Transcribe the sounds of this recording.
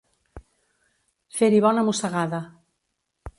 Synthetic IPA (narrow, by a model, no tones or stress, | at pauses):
feɾiβɔnamusaɣaða